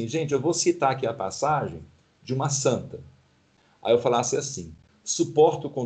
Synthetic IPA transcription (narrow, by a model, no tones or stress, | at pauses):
ĩʒẽnt͡ʃɪewvosit̪aɾakiɐpa̰saʒḛ̃j̃ | d͡ʒɪũmɐsɐ̃nt̪ɐ | a̰ewfalasɪasĩ | supɔɾt̪ʊkõ